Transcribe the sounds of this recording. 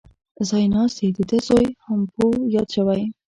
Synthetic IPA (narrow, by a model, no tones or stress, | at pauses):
zɑjnɑst̪id̪əd̪əzojhampojɑd̪ʃawaj